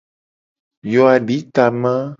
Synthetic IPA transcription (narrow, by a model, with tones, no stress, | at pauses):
jɔ˨a˨ɖi˦t̪a˨mã˦